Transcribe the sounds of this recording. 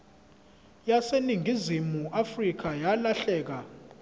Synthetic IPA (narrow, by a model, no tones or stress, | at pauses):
jaseniŋʱizimuʔafrik̬ajalaɬɛːk̬a